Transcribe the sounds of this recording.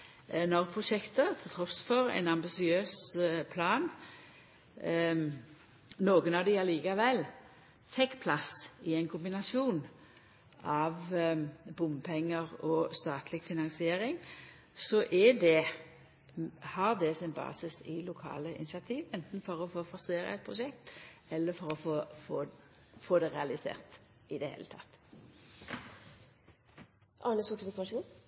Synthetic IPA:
nɔʁpʰʁʊʃɛkt̪ət̪ʰɪlt̪ʰɾɔsfɔɾɛ̰ɪnɑmbɪsɪøːspʰlɑːn | noːɡənɑʋd̪ɪɑliːkɑʋɛlː | fɛkːpʰlɑsɪɛɪnkʰʊmbɪnɑsɪuːn | ɑʋ | bʊmpʰɛŋːəʁɔst̪ɑːt̪ʰlɪɡfɪnɑnsɪeːɾɪŋ | sɔʔɛd̪ɛ | hɑʁd̪ɛsɪnbɑ̰ːsɪsɪlʊkʰɑ̰ːləʔɪ̰nɪsɑt̪ʰiːʋɛnt̪n̩fɔɾɔfoːfɔɾseːɾə̰ɛɪt̪̚pʰʁʊʃɛkt̪ɛlːəɾfɔɾɔfoːfoːfoːd̪ɛʁɛɑlɪsḛːʁt̪ | ɪd̪ɛhḛːlə̰t̪ʰɑ̰t̪ː | ʔɑnəsʊʈɪfɪkɑʂuːn

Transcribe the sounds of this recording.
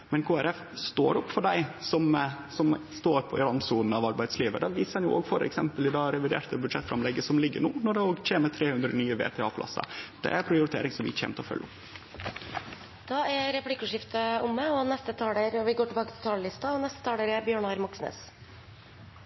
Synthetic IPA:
mɛnkʰoːæɾɛf | st̪oːɾʊpːfɔɖæɪsɔmsɔmst̪oːɾpʰɔɪɾɑnsuːnn̩ɑʋɑɾbæɪd̪sliːʋə̰d̪ɑʋiːsəhɑnjʊ̰ʔo̰ːɡfɔɾɛ̰ksɛmpəlɪd̪ɑːɾɛʋɪd̪ḛːɾt̪əbʉd̪ʂɛt̪ːfɾɑmlɛɡːəsɔmlɪɡːəɳuːnɔɖɛoːɡc͡çeːnət̪ʰɾeːhʉnd̪ɾəɔnyːəʋḛːt̪ʰɛɑːpʰlʔɑ̰sɑ̰d̪̥ɛ̰æɾpʰɾɪʊɾɪt̪ʰḛːɾɪŋsɔmʋɪ̰çɛ̰ːmt̪ʰɔfœ̰lːʔɔpː | d̪̥ɑːæɾɾɛplɪkːʉʂɪft̪əʊmːɛɔnɛst̪ət̪ʰɑːleɾɔʋɪɡoːʈɪbɑːkət̪ʰɪ̥t̪ʰɑːləlɪst̪ɑɔnɛst̪ə̥t̪ʰɑːleɾɛbjøːɳɑɾmɔksnḛːs

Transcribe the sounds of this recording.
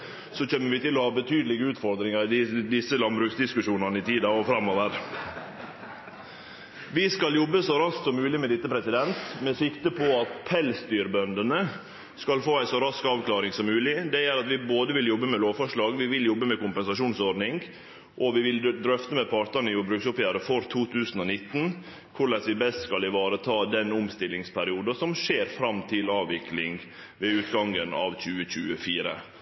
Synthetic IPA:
sɔçɛmːəɾʋɪt̪ɪlːɔhɑːbət̪ʰyːd̪lɪɡəʉːt̪fɔɾd̪ɾɪŋəɾɪd̪ɪsːəlɑnbɾʉːksd̪ɪskʉʂuːnɑnəɪt̪ʰiːd̪ɑɔfɾɑmːɔʋəɾ | ʋɪskɑljɔbːəsɔɾɑsksɔmːʉːlɪmɛd̪ɪt̪ːəpʰɾɛsɪd̪ɛnt̪mɛsɪkt̪əpʰɔɑt̪pʰɛlst̪yːɾbœnd̪ənə | skɑlfoːæɪsɔɾɑskɑːʋklɑːɾɪŋsɔmːʉːlɪd̪ɛjæɾɑt̪ʋɪboːd̪əʋɪljɔbːəmɛloːʋfɔʂɭɑːɡʋɪʋɪljɔbːəmɛkʊmpɛnsɑʂuːnsɔɖnɪŋɡ | ʔɔʋɪʋɪld̪ɾœft̪əmɛpʰɑɾt̪ɑnəjʊbɾʉːksɔpjæːɾəfɔɾt̪ʰuːt̪ʰʉːsən̩ɔnɪt̪ːn̩ | kʰʊɭɛsʋɪbɛst̪skɑlɪʋɑːɾət̪ʰɑːd̪ɛnʊmst̪ɪlːɪŋspʰæɾɪuːd̪ɑsɔmʂeːɾfɾɑmt̪ʰɪlɑːʋʋɪklɪŋ | ʋeːʉːt̪ɡɑŋənɑ̰ʋçʉːəçʉːəfiːɾə̰

